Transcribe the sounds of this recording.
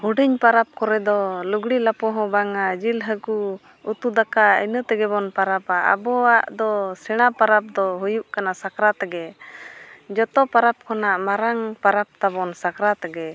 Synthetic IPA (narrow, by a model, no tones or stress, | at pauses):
huɖiɲpaɾap̚kɔɾɛd̪ɔluɡɽilapɔɦɔ̃baŋad͡ʒilɦəku | ut̪ud̪akaḭnət̪ɛɡɛbɔnpaɾapaa̰bɔaʔd̪ɔsɛɽ̃apaɾap̚d̪ɔɦujuʔkanasakɾat̪aɡɛ | d͡ʒɔt̪ɔpaɾap̚kʰɔnaʔmaɾaŋpaɾap̚t̪abɔnsakɾat̪aɡɛ